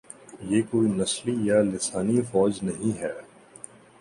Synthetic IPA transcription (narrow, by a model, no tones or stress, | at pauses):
jeːkoːinɐslijalɪsaːnifɔːd͡ʒnɐɦĩɦɛː